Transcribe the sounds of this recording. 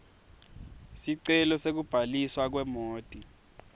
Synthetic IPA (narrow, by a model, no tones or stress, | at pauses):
siǀɛlɔsek̬ub̥ʱaliswak̬wɛmoːd̥ʼʱi